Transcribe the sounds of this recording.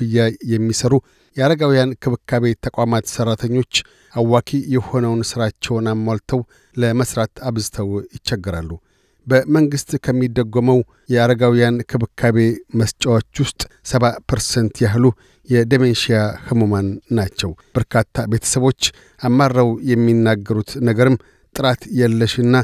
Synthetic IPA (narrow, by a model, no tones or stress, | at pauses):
ɨjːajɛmːisəɾu | jɛaɾəɡawijankʰɨβɨkʰːaβe̞t̪ʰəkʼamat̪sərːat̪ʰəɲːo̞t͡ʃː | awːakʰijɛho̞nəwnsɨɾat͡ʃːɛwnamːalt̪ʰəw | ləməsɾat̪aβzɨt̪ʰəwjɪt͡ʃːɛɡːɨɾalːu | bəməŋɡɨst̪ʼkʰəmːid̪ːəɡːoməw | jɛaɾəɡawijankʰɨβɨkʰaβe̞məst͡ʃʼawot͡ʃːwʊst̪ʼsəβapʰəɾsənt̪jaɦlu | jɛd̪əmenʃijahɨmomanːat͡ʃːɛwb̥əɾkʰat̪ʰːabe̞t̪ʰə̥səβo̞t͡ʃː | amːarːəwjɛmːinːaɡːəɾut̪nəɡəɾɨm | t̪ʼɨɾat̪jalːəʃɨnːa